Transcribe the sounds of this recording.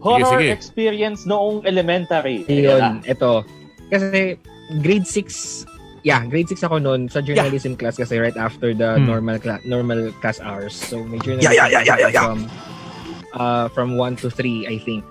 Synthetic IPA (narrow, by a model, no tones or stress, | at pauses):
hoɾoɹɛkspiɾiɐnsnoʔoŋɛlɛmɛ̃nt̪aɾiɐjoʔɛt̪o | kɐsɛ | ɡɾejd̪sɪks | jaɡɾejd̪̚sɪksɐko̞nonsɐd͡ʒɛnnɐlisɛmklaskɐsɛɹajt̪ʔaft̪ɛɹd̪ɐnɔɹmɐlkanɔɹmɐlklasʔa̰wɛɹsːomɐjd͡ʒɛɹnɐjajajajajajɐm | ʔɐfɹɐ̃mwɐ̃nt̪ʊθɾiʔɐjθɪ̃ŋk̚